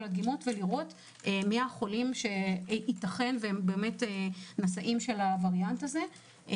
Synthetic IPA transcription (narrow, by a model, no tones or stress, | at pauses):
laɡimotveliʁo̞t | emiaχo̞limʃe̞itaχe̞nveembe̞ːme̞tenasaʔimʃe̞lavaʁjantaze̞